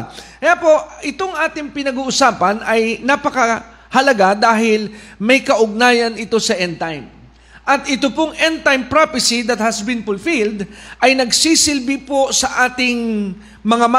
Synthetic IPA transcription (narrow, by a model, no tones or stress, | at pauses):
kɐjaːpo̞ʔʔɪt̪o̞ŋʔaːt̪ɪŋpɪnɐɡuːʔʊsaːpɐnɐjnapɐkɐ | hɐlɐɡad̪aːhɪlmɐjkɐʔʊɡ̚naːjɐnɪt̪o̞sɐʔɛnt̪ajm | ʔɐt̪ʔɪt̪opoŋʔɛnt̪ajmpɾapɪsid̪ɐt̪̚hɐsbɪ̃nfʊlfild̪ʔɐjnɐɡsisɪlbɪpo̞sɐʔaːt̪ɪŋ | mɐŋama